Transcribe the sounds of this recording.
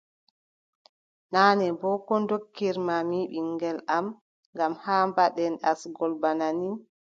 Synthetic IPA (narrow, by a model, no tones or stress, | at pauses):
naːnɛbɔkɔndokːiɾmamiɓiŋɡɛlam | ŋɡamhaːmbaɗɛnɗa̰sɡɔlbanani